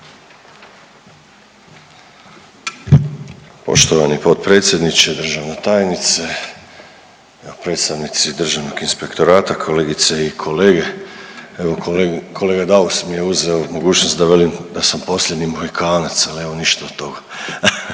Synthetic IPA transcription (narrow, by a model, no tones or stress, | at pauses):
po̞̰ʃt̪oʋanipo̞t̪pɾe̞ːt̪sje̞d̪nit͡ʃed̪r̩ʒaʋnet̪aːjnit̪se | eopɾe̞ːt̪st̪aʋnit̪sid̪r̩ʒaʋno̞ɡinspe̞kt̪o̞ɾaːt̪akʰo̞le̞ːɡit̪seikʰo̞le̞ːɡe̞ | eʋo̞kʰo̞le̞ːɡad̪ausmije̞uzeomo̞ɡuːt͡ʃnost̪d̪aʋelimd̪asampo̞slʎʲed̪nimoɣikaːnat̪salieʋo̞niʃt̪aot̪ːo̞ɡa